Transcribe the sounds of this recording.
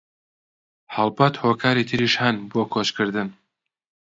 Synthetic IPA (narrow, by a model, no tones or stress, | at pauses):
hɐlˠbɐt̪hoːkʰaːɾit̪ʰɨɾiːʃhɐnboːkʰoːt͡ʃkʰɨɾd̪ɨn